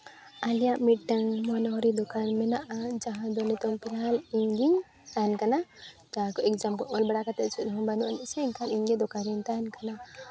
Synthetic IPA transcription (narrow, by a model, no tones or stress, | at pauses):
alijaʔmiʈ̚ːaŋmɔnɔɦɔɾid̪ɔkanmɛnaʔad͡ʒaɦãd̪ɔnɛt̪ɔŋpilɦaliŋɡiŋ | t̪ankanad͡ʒaɦãkɔɛk̚d͡ʒamkɔʔɔlbaɽakat̪ɛt̪̚t͡ʃʰut̪nɔɦɔ̃banuʔnɛʔsɛiŋkʰaniŋɡɛd̪ɔkaɾint̪ankana